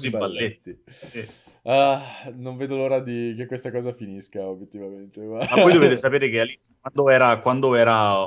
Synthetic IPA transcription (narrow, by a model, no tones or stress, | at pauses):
zibbalːet̪ːisi | anoɱveːd̪oloːɾad̪ikekːwest̪akɔːzafiniskaobjet̪ːivament̪eamapɔjd̪oveːt̪esapeːɾek̟ealːi | wand̪oɛːɾakwand̪oɛːɾa